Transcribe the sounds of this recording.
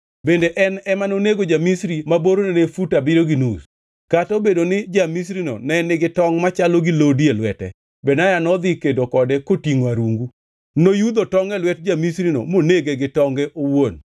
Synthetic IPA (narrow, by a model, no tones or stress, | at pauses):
bendeʔɛnɛmanoneɡod͡ʒamisɾimaboɾonenefutabɪɾoɡinus | katobedonɪd͡ʒamisɾino̰nɛnːɪɡɪtɔŋmat͡ʃaloɡilodielwɛtɛ̰ | bɛnajanɔd̪ɪkedokɔdɛkotiŋoaɾuŋɡu | nojud̪otɔŋɡɛlwɛt̚d͡ʒamisɾino̰moneɡeɡɪtɔŋɡɛʔowon